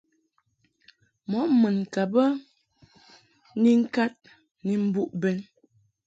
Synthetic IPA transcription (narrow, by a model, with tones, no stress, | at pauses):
mɔ˨˦mə˨n˨ka˨bə˦ | ni˦ŋ̩˦ka˦t̚ | ni˨m̩˦bu˦ʔbɛ˨n